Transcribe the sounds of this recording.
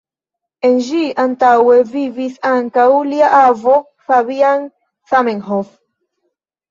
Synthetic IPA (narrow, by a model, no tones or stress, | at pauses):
enʒiʔant̪awevivisaŋkawliaʔavo | faβian | sameŋhof